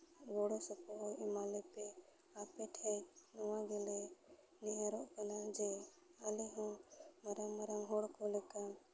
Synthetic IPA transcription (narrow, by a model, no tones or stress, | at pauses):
ɡɔɽɔsɔkɔɦɔimalɛpɛ | apɛʈʰɛjnɔwaɡɛlɛ | nɛɦɛɾɔʔkanad͡ʒɛ | alɛɦɔ̃maɾaŋmaɾaŋɦɔɽkɔlɛkam